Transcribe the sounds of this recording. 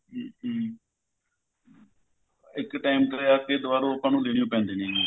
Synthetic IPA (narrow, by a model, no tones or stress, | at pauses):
ɪkʈaːimkəɾeaːkeːd̪ʊʋaːɾõːəpãːnũːleːɽɪjõːpɛ̃ːnd̪eːnẽː